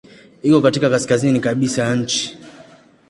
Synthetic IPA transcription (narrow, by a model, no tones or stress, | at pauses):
ikɔkatikakaskazinikaɓisajaɲ̩t͡ʃi̥